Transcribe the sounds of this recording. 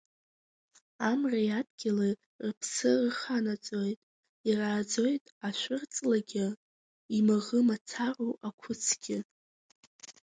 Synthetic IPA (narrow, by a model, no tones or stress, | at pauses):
amrajadɡʲɪli | rpʰsɨrχanat͡sʼo̞jtʼ | iraːd͡zo̞jtʼaʃʷʊrt͡sʼlaɡʲɪ | imaʁəmat͡sʰaroʔakʷʰʊt͡sʰɡ̥ʲɪ